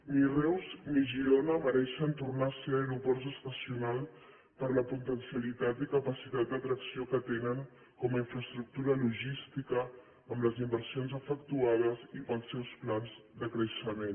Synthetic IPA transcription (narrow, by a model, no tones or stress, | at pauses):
mirɛwzmiʒionəməɾɛʃənt̪uɾnasəeɾupɔɾt̪əst̪əsiunalˠ | pəɾləput̪ənsiəlit̪at̪ikəpəsit̪at̪̚d̪ət̪ɾəksiokət̪enəŋ | kɔməiɱfɾəst̪ɾuk̚t̪uɾəluʒist̪ikəː | mləzimbəɾsionzəfəkt̪uað̞əzipəlˠsːɛwsplanz | d̪əkɾəʃəmen